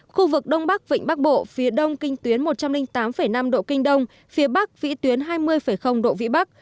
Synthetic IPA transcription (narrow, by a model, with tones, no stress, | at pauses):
xu˧vɨ˨˩k̚ɗə˧wŋ͡mɓa˦˥k̚vḭ˧˨ŋ̟ɓa˦˥k̚ɓo̰˧˨fi˨˦əɗə˧wŋ͡mkï˧ŋ̟t̪wi˨˦ənmo˨˩t̚t͡ɕa˧mlï˧ŋ̟t̪aː˨˦mfə˧˩jna˧mɗo̰˧˨kï˧ŋ̟ɗə˧wŋ͡m | fi˨˦əɓa˦˥k̚vḭ˧˥t̪wi˨˦ənɦaː˧jmɨ˧əjfə˧˩jxə˧wŋ͡mɗo̰˧˨vḭ˧˥ɓa˦˥k̚